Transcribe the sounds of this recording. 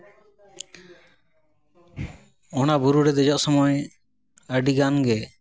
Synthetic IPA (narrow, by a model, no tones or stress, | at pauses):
ɔnabuɾuɾɛd̪ɛd͡ʒɔʔsɔmɔj | əɖiɡanɡɛ